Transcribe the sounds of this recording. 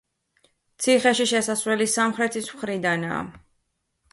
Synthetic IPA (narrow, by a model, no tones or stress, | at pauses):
t̪sʰiχɛʃiʃɛsasvwɛlisamχɾɛt̪ʰismχɾid̪ana̰ː